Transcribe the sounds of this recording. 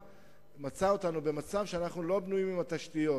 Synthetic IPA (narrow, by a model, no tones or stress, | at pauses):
mat͡sao̞tanube̞mat͡savʃeanaχnulo̞bnujimimat̪aʃtijo̞